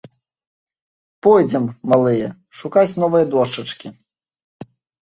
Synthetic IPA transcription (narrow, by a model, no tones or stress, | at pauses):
pɔjd͡zʲɛmːalˠɨjɛ | ʂukat͡sʲnɔvɨjɛd̪ɔʂɐt͡ʂkʲi